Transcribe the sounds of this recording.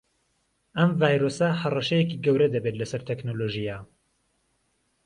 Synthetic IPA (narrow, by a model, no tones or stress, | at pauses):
ɐmvaːjɾosɐhɐrɐʃɐjɛkiɡɐwɾɐd̪ɐbeːt̪lɐsɐɾt̪ʰeknoloʒija